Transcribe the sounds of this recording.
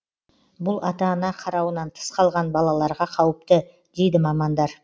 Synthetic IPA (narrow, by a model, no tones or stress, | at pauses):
bʊlˠɑt̪ɑnɑqʰɑɾɑwənɑnt̪ʰə̥sqʰɑlˠʁɑnbɑlˠɑlˠɑɾʁɑqʰɑwəp̚t̪ə | d̪̥e̞jd̪ɪmɑmɑnd̪ɑɾ